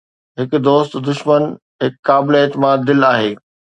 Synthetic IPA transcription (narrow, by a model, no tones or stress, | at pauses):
ɦɪkʊd̪oːst̪d̪ʊʃmən | ɦɪkːaːbɪleeːt̪ɪmaːd̪ːɪlaːɦeː